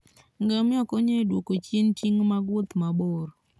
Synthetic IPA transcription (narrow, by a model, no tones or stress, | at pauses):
ŋɡamɪɔkoɲedwokot͡ʃent͡ʃiŋmaɡwʊt̪maboɾ